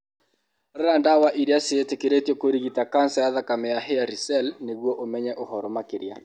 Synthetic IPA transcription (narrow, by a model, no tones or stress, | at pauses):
rɾandawaʔiɾiaseetekeɾetjɔkoɾiɣitakansajaðakamɛjaɦeaɾisɛlneɣwɔʔomɛɲɛʔohɔɾɔmakeɾja̰